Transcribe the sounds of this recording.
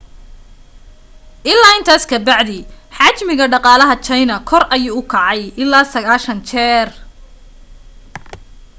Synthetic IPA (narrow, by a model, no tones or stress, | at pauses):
ʔɪlːaːɪnt̪ʰaːskʰɐbɑʕðɪħɑt͡ʃmɪɣɐɖɑqɑːlɐɦɐt͡ʃʰɐjnɐkʰɔrɐjuːʊkʰɑʕɑjɪlːaːsɐɣaːʃɐnt͡ʃʰɛːr